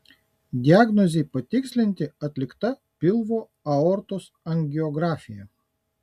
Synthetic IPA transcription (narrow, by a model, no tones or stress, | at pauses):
d̪ʲɪaːɡnɔzʲeːpɐt̪ʲɪksʲlʲɪnʲt̪ʲɪɐt̪ʲlʲɪkt̪ɐ | pʲɪlˠʋoː | ɐɔɾt̪os | ɐnʲɡʲɪɔɡɾɑːfʲɪjɛ